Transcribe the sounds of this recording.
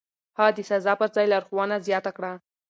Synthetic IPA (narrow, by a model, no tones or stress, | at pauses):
hɑd̪əsazɑpəɾzɑjlaɾxwɑnazjɑt̪akɽa